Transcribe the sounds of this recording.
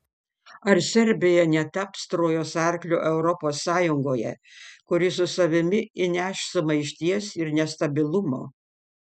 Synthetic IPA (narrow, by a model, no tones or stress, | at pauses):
ɐɾsʲɛɾʲbʲɪjɛnʲɛt̪ɐpst̪ɾoːjoːsɐɾʲklʲʊːʔɛʊɾɔpoːsːɑːjʊŋɡoːjɛ̰kʊɾʲɪsʊsɐʋʲɪmʲɪɪnʲæʃsʊmɐɪʃʲt̪ʲiɛsɪɾnʲɛst̪ɐbʲɪlˠʊmo̰ː